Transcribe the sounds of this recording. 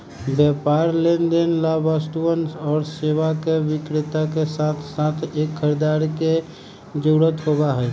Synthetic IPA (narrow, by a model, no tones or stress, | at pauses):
bjɛpaːɾlend̪enlabast̪uwənsɔːɾsewakewɪkɾɪt̪akesat̪ʰsat̪ʰeːkʰːəɾed̪aːɾke | d͡ʒoɽət̪ɦobaɦɛ